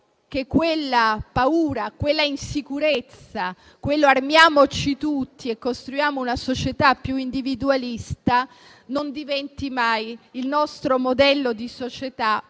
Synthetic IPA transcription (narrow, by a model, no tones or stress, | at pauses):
kekːwelːapauːɾakwelːainsikuɾet̪sːa | kwelːoarmjaːmot͡ʃit̪ut̪ːiekːost̪ɾujaːmounasot͡ʃet̪apːjuind̪ivid̪ualist̪a | nond̪ivɛnt̪imajilnɔst̪ɾomod̪ɛlːod̪isot͡ʃet̪a